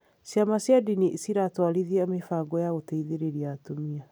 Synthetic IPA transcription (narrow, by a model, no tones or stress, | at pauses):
sjamasjadinisiɾatwaɾiðiamefaɡɔjaɣotaiðeɾeɾiatomia